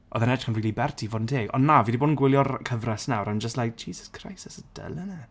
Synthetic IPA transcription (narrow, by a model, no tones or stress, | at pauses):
ʔɔ̰ðɛnɛdχənriːlibɛrtʰivoːdntʰeːɡɔ̰nːaviːdiboːdn̩ɡwɪlˠjɔrkʰəvrɛsnawɾand͡ʒəstlajk̚d͡ʒ̥iːzəskʰra̰jsɛsəd̥ə̰lˠənə